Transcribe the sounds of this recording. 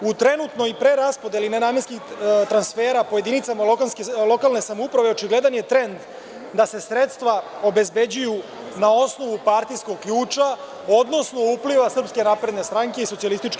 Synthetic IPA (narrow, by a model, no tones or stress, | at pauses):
ut̪ɾe̞nut̪no̞ipɾeɾaspo̞d̪elinenaːmje̞nskit̪ɾansfe̞ːɾapoje̞d̪init̪samaokanskelˠo̞kalˠne̞samoupɾaʋe̞ot͡ʃiɡle̞d̪anjet̪ɾe̞nd̪ | d̪ase̞sɾe̞t̪st̪ʋao̞be̞zbe̞d͡ʑuju | nao̞sno̞ʋupaɾt̪ijsko̞ɡ̚kʎuːt͡ʃa | o̞d̪no̞sno̞upliʋasr̩pske̞napɾe̞d̪nest̪ɾaŋke̞isotsialist̪it͡ʃk